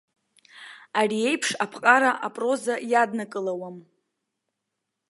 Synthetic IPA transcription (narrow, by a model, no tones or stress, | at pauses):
arie̞jpʰʂapʰqʼaɾaʔapʼro̞zajadnakʼɨlawam